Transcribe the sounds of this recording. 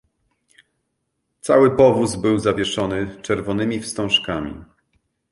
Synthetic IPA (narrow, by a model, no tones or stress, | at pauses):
t̪sawɘpɔvuzbɘwzavʲjɛʂɔnɘt͡ʂɛɾvɔnɘmʲifst̪ɔ̃w̃ʂkamʲḭ